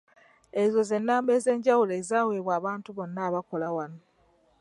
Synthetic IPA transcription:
ezo̞ze̞nːaːmbe̞ːze̞ːɲɟawuleːzaːweːβwaːβaːntuβo̞nːaːβako̞lawano

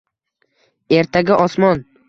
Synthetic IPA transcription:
e̞ɾt̪ʰaɡʲaʔɒsmɒn

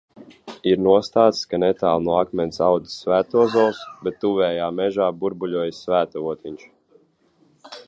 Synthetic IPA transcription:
iɾnuɔst̪aːt̪sskanɛt̪aːlˠnuɔakmʲɛnsawd̪i̥svæːt̪uɔzɔwsbɛt̪ːuvɛːjaːmɛʒaːbuɾbuʎʲuɔjsvæːt̪auɔt̪iɲʲt͡ʃ

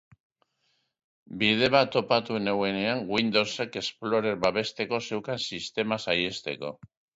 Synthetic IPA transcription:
bið̞e̞βat̪o̞pat̪uene̞we̞ne̞aŋɡwind̪o̞lse̞ke̞splo̞ɾe̞ɾbaβe̞st̪e̞ko̞se̞wkansist̪e̞masaje̞st̪e̞ko̞̰

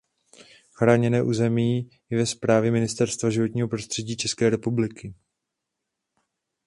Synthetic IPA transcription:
xɾaːɲɛnɛːʔuːzɛmiː | jɛvɛspɾaːvjɛmɪnɪst̪ɛɾst̪vaʒɪvo̞t̪ɲiːɦo̞pɾo̞st̪r̝̥ɛɟiːt͡ʃɛskɛːɾɛpublɪkɪ

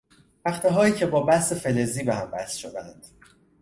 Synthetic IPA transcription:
pæχt̪ʰeɦɒːjiːcʰe̞bɒːbæse̞fe̞le̞ziːbehæmbæ̰sʃod̪ænd̪̥

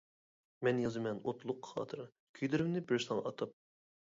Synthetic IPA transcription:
mɛnjɑzɨmɛnot̪ʰlˠʊqʰːχɑ̰ːt̪ʰɨɾɨ | kʲʰyjd̪ɪɾymnɪbɪɾsˠɑŋɑʔɑt̪ʰɑp̚

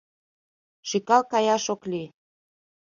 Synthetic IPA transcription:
ʃykɑlkɑjɑʃokli

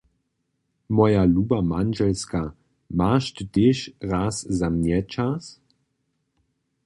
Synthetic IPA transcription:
mɔjaluːbamanʒɛlska | maːʃt̪teːʃʁaːszamnɛt͡ʃas

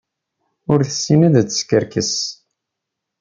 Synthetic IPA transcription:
ʊɾθəsːinæðæt͡sːə̥skəɾkəs

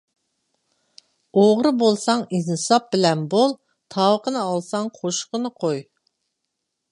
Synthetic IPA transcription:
oʁɾɨbolˠsɑŋiznɨsɑp̚bɪlɛnbolˠ | t̪ʰɑwəqʰənɨɑlˠsɑŋqʰoʃqənɨqʰoj

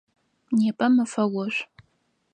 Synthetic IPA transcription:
neːpʼɐmɨfɐwɐʃ

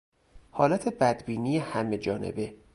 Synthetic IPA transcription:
hɒːlæt̪ʰebæd̪biːniːjehæme̞d͡ʒɒːnʔḛbe̞

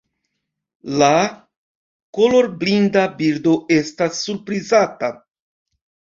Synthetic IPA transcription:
la | kolo̞ɾblindabiɾdo̞ʔe̞stasːuɾpɾizata

